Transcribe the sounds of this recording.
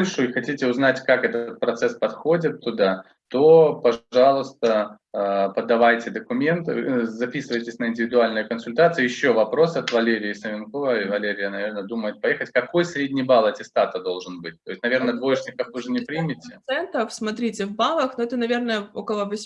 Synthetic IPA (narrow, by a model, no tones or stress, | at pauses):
lʲʂʊixɐtʲitʲɪʊznatʲkakɛt̪əət̪̚pɾɐt̪sɛspɐt̪xo̞dʲɪt̪ːʊd̪a | t̪o̞pɐʐʐɑlˠʊst̪ə | pəd̪ɐvajtʲɪd̪əkʊmʲe̞nt̪ɨzɐpʲisɨvəjtʲɪsʲnəɪnʲdʲɪvʲɪd̪ʊalʲnɨjəkənsʊlʲt̪at̪sɨjəjɪɕːo̞vɐpɾo̞sɐt̪vɐlʲeɾʲɪjɪsəvʲɪnko̞vəivɐlʲeɾʲɪjənɐvʲe̞rnəd̪uməjɪt̪̚pɐjexətʲkɐko̞jsɾʲedʲnʲɪjbalˠɛtʲɪst̪at̪əd̪o̞lˠʐɨnbɨt̚ʲt̪o̞jɪsʲtʲnɐvʲernəd̪vo̞jɪʂnʲɪkəfvɨʐɨnʲɪpɾʲimʲɪtʲɪɛnt̪əfsmɐt̪ɾʲitʲɪvbalˠəxnoɛt̪ənɐvʲe̞rnəjəokəlˠəvəsʲ